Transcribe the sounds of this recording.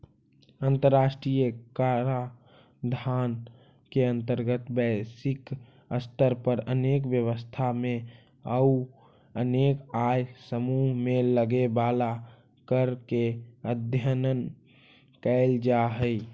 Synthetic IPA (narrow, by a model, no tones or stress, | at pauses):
ənt̪əɾːasʈɾijəkaɾa | d̪ʱaːn | keə̃nt̪əɾɡət̪bəɪsɪk | əst̪əɾpəɾə̰nekbjəwəst̪ʰamẽ | əu | ənekajsəmuɦmeləɡebala | kəɾkeəd̪ʱjənən | kɛld͡ʒaɦəj